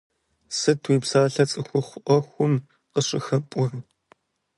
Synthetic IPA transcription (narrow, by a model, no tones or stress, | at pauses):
sɨtʰwiːpsaːɬɐt͡sʼɨxʷʊχʷʊʔʷɔxʷʊm | qəɕʼɪxɐpʷʼʊrɨ